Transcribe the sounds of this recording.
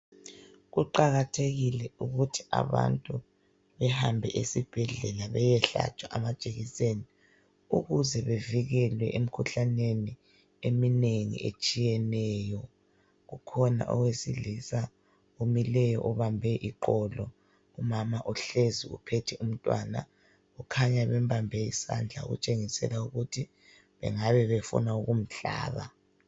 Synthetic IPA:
ɣuǃaɣatʰeɣilɛuɣutʰi̥ʔa̰βa̰ntʼu | βɛhambʱɛʔesib̥ʱɛɮɛlaβɛjɛɬa̰t͡ʃʼaʔamḁt͡ʃʼeɣiseni | uɣuzɛβeviɣɛlwɛʔem̩kʰuɬaneni | emineŋḭʔḛt͡ʃʼijɛnɛːjɔ | ɣukʰɔna̰ʔɔ̰wesiɮisa | omilɛjɔʔɔβambʱɛʔiǃɔlɔ | umamaʔuɬeziṵpʰetʰium̩tʼwa̰na̰ | ɣukʰaɲaβɛm̩bambʱɛḭsa̰nd͡ɮʱa̰ɣṵt͡ʃʼeŋisɛ̰lauɣutʰi | βɛ̰ŋaβɛβefṵnauɣum̩ɬa̰ːβa̰

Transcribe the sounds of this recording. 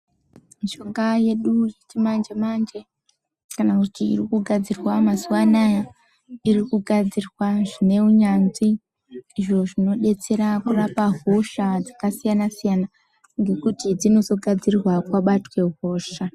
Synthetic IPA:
miʃo̞ŋɡaje̞ɗujetimand͡ʒemand͡ʒe̞ | kanakutiḭrikuɡʱad͡zirwamazuwanaja | irikuɡʱad͡zirwaʐine̞uɲanziː | ʐo̞ʐino̞ɗe̞t͡se̞ɾakurapaɦoʃad͡zakasijanasijana | ŋɡe̞kutid͡zino̞zo̞ɡʱad͡zirrwakwaɓatwe̞ɦo̞ːʃa

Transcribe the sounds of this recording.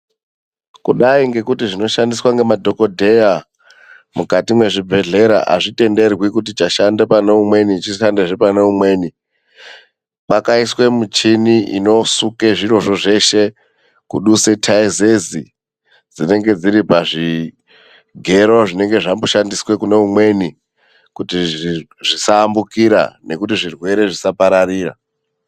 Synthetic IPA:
kuɗaiŋɡe̞kutiʐino̞ʃandiswaŋɡe̞madʱo̞ko̞dʱe̞ja | mukatimwe̞ʐibʱe̞ɮe̞ɾa̰ʔa̰ʐite̞nde̞rwikut̬it͡ʃaʃandepaneumwe̞nit͡ʃiʃandeʐepaneumwe̞ːni | k͡pakaiswe̞mut͡ʃiniʔḭno̞sukeʐiro̞ʐo̞ʐe̞ʃe̞ | kuɗuse̞tʰaizezi | d͡zine̞ŋɡe̞d͡ziɾipaʐi | ɡʱe̞ɾoʐine̞ŋɡe̞ʐamboʃandiswe̞kune̞umwe̞ni | kuti | ʐisaːmbukiɾa̰ne̞kutiʐirwe̞ɾe̞ʐisapaɾaɾiːra̰

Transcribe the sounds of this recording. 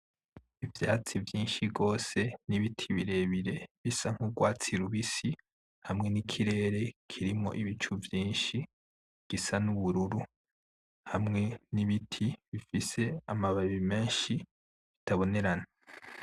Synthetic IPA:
ivjaːt͡sivjiːnʃiɡo̞ːse̞niβitʰiβiɾe̞ːβiɾe̞βisaŋ̥huɡwaːt͡siɾuβisi | hamŋe̞nikʰiɾe̞ːɾe̞kʰiɾimo̞̰ʔiβit͡ʃuvjiːnʃi | ɡ̥isanuβuɾuɾu | hamŋe̞niβitʰiβifise̞amaβaβime̞ːnʃi | βitʰaβo̞ne̞ɾana

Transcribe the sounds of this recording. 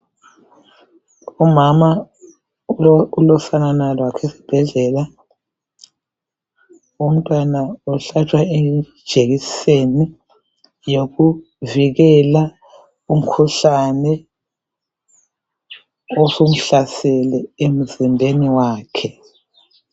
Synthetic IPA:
umama | ulɔfananalwakʰesi̥b̥ʱɛɮɛla | um̩tʼwanauɬat͡ʃʰʼwaed̥ʒ̥ʱeɣiseni | joɣu | viɣɛla | um̩kʰuɬanɛ | osom̩ɬasɛlɛem̩zinbʱeniwaːkʰɛ

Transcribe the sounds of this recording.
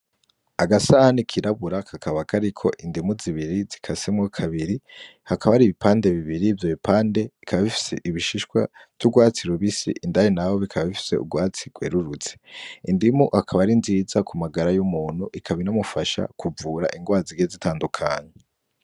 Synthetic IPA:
aɡasahanikʰiɾaβuɾakʰakaβakʰaɾikʰo̞̰ʔindimuziβiɾizikʰasemwokʰaβiɾihakaβaɾiːβipʰaːnde̞βiβiɾivjoβipaːnde̞ikʰaβaβifi̥se̞̰ʔiβiʃiʃkwa̰tuɡwaːt͡siɾuβisḭʔindajenawo̞βikʰaβaβifi̥se̞̰ṵɡwaːt͡siɡ̥wḛːɾuɾut͡se̥indimuʔhakʰaβaɾinziːzakumaɡaɾajumuːn̥huʔikʰaβinamufaʃa̰kʰuvuːɾa̰ʔiŋɡwaːziɡezitʰaːndukʰaːɲe

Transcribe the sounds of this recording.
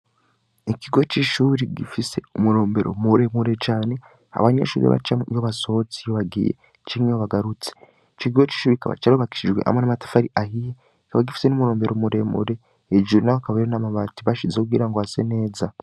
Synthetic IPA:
ikiɡo̞t͡ʃiʃuːɾiɡifise̞umuɾo̞ːmbe̞ɾo̞̰muɾe̞muɾe̞t͡ʃaːne | a̰βaɲḛʃuːɾḭβa̰t͡ʃajoβaso̞t͡sijoβaɡḭjḛ | t͡ʃiŋejoβaɡaɾut͡si̥ | t͡ʃkiɡot͡ʃi̥ːʃuːɾikaβa̰t͡ʃaɾoβaki̥ʃid͡ʒɡwe̞̰ʔa̰monamatḁfaɾiʔahije | kaβaɡifi̥senumuɾoːmbe̞ɾomuɾe̞̰mṵɾe̞ | eʒuɾnakaβaiɾenamaβatiβaʃizekuɡiɾaŋɡoasene̞ːza

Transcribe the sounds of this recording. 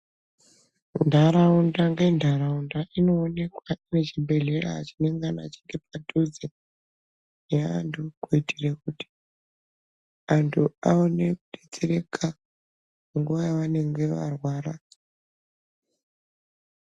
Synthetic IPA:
ndʱaɾaundaŋɡe̞ndʱaɾaundaʔino̞ːne̞kwaine̞t͡ʃibʱe̞ɮeraːt͡ʃineŋɡana̰t͡ʃi̥ŋɡe̞patud͡zi | nea̰ntʰukuitirekuti̥ | antʰuaone̞kuɗet͡seɾe̞kʰa | ŋɡuʋajaʋane̞ŋɡe̞ʋa̰rwaːɾa

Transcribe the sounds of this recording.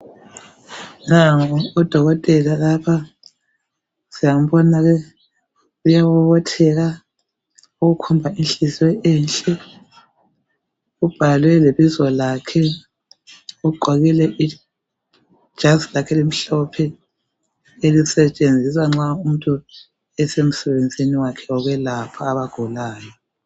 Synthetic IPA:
naŋːd̥ʱɔɣɔtʼɛlalapʰa | sijam̩bɔnaɣɛ | ujaβuβɔtʰɛɣa | uɣukʰumbʱainɬʼiswɛɛnɬʼɛ | ub̥ʱalwɛleβizɔlakʰɛ | uǃʱɔɣilɛʔi | ʒ̥ʱaslakʰɛlim̩ɬɔpʰɛ | elisɛt͡ʃʼend͡zʱiswaŋ͡ǁaum̩tʼu | ɛsem̩sɛβend͡zʱiniwakʰɛɔɣwɛlapʰaːβaɡ̥ʱulaːjɔ

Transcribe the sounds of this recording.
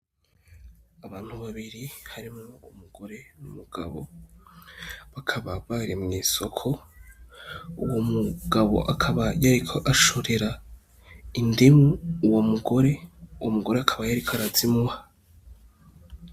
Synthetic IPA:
aβaːn̥huβaβiɾihaɾimŋoumuɡ̥o̞ɾe̞numuɡ̥a̰βo̞̰ | βakʰaβaβaɾimŋiːso̞kʰo̞ | uwomuɡ̥aβo̞̰ʔakʰaβajaɾikʰo̞ʔaʃo̞ɾe̞ɾa | indimuːwomuɡo̞ɾe̞uwomuɡo̞ɾeakʰaβajaɾikʰaɾazimuha

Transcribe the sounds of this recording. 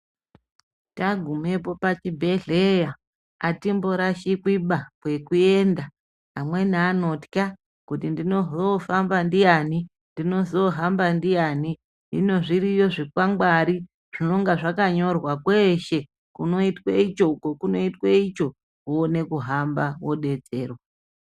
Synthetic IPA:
taɡʱume̞po̞pat͡ʃibʱe̞ɮeja | atimboɾaʃikwiɓakwe̞kue̞ndaː | mwe̞naːno̞tka | kutindino̞zofambandijani | ndino̞zo̞ɦambandijani | ɦḭno̞ʐiɾijo̞ʐikwaŋɡwaɾi | ʐ̥ino̞ŋɡaʐakaɲo̞rwakwe̞ʃe̞ | kuno̞itweit͡ʃo̞kokuno̞itweit͡ʃo̞ | kuone̞kuɦambawo̞ɗe̞t͡se̞ːro

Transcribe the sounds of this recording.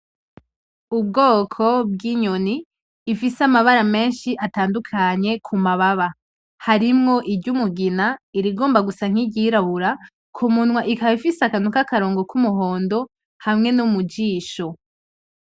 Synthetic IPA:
ubɡo̞ːkʰo̞b̚ɡiɲoniː | fisamaβaɾame̞ːnʃiʔataːndukʰaɲe̞kʰumaβaβa | haɾimŋo̞ʔibɟumuɡinaiɾiɡo̞ːmbaɡusaŋ̥hiɟiɾaβuɾa | kʰumunwaʔikaβifisakanukakaɾo̞ːŋɡo̞kʰumuɦo̞ːndo̞ | hamŋe̞numud͡ʒiːʃo̞

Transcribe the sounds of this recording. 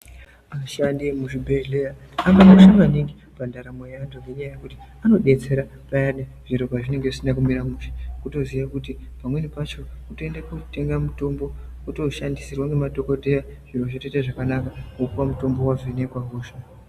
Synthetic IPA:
aʃandimuʐibʱe̞ɮe̞ja | aŋɡamonanaʋaniŋɡi | pandaɾamojandoŋɡe̞ɲajajekuti̥ano̞ɗe̞t͡se̞ɾa | pajaɗe | ʐ̥iɾoɡʱaʐine̞ŋɡeʐisinak̬umiɾamuʐikuto̞ziʋakut̬ipamwe̞nipat͡ʃo̞kuto̞endakute̞ŋɡamuto̞mbo̞ | uto̞ʃandisirwaŋɡemado̞ko̞te̞jaʐ̥iroʐeteteʐakanakaokuwamuto̞mbo̞waʐonekwaɦoːʃa

